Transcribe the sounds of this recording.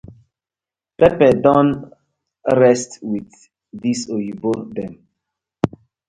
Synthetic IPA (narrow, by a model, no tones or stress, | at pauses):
pɛpɛdɔ̃n | ɹɛstwiθ | disoibodɛ̃m